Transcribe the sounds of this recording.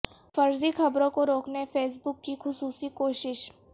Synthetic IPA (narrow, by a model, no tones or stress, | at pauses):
fɐɾzixɐbɾõkoɾoːknefʰeːs̬bʊkːixʊsuːsikoːʃɪʃ